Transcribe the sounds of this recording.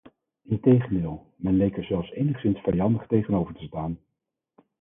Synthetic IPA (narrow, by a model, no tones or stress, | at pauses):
ɪntejχəndɪːlˠ | mɛnlejkəɹzɛlˠfsejnəχsɪnsfɛjɑndəχtejχənowvəɹtə̥staːn